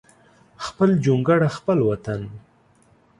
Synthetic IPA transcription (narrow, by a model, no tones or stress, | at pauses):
xpəld͡ʒuŋɡaɽaxpəlwat̪an